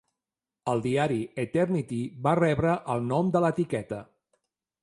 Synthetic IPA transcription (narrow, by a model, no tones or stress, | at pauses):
əlˠd̪iaɾiət̪ɛrnit̪iβarɛβɾəʔəlˠnɔmd̪ələt̪ikɛt̪ə